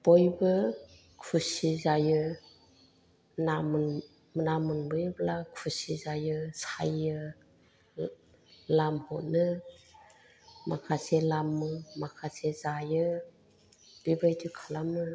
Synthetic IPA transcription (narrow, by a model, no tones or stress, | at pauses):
b̥ɔjbɯ | kʰusizajɯ | namn | mnamɯnbɯjblakʰusizajɯsajɯ | lamhɔnɯ | makʰaselamːɯmakʰasezajɯ | b̥ibɯjtʰukʰalamɯ